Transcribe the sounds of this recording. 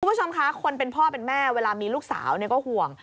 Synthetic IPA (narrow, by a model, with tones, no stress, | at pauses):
u˧mbt͡ɕʰo˧mkʰa˦˥kʰo˧npe˧npʰɔː˥˩pe˧nmɛː˥˩weː˧laː˧miː˧luː˥˩k̚sa̰ː˩˦wni˥˩kɔː˥˩hu˨˩əŋ